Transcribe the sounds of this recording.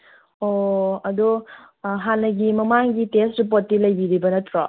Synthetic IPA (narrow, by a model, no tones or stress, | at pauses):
oɐdu | ɦanːɐɡimɐmaŋɡitestɾip̬otːilɐjbiɾibɐnɐtʰɾɔ